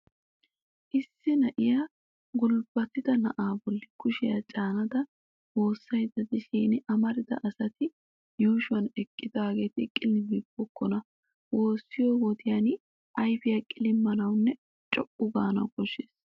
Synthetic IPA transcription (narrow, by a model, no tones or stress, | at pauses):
ʔɪsːɪnɐʔɪjaː | ɡʊlb̥ɐt̪ːɪd̪ɐnɐʔaːbɔlːɪkʊʃɪjat͡ʃʼaːnɐd̪ɐ | wo̞ːsːɐjd̪ɐd̪ɪʃiːnɪʔɐmɐɾɪd̪ɐ̰ʔɐsɐt̪ɪ | juːʃʊɐnɛkʼːɪd̪aːɡeːt̪ɪkʼːɪlɪmibɔkːɔnɐ | wo̞ːsːɪjɔwɔt̪ɪjan | ʔɐjfɪjakʼɪlɪmːɐnɐwnːɛ | t͡ʃʼɔpʼːʊɡaːnɐ̰ɡɔʃeːs